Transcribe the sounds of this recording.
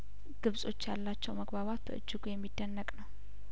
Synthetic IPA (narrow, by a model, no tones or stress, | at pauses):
ɡ̥ɨβsʼo̞t͡ʃːjalːat͡ʃːɛwməɡbaβat̪bə̰ʔɨ̰d͡ʒːɪɡujɛmːid̪ːənːəkʼnəw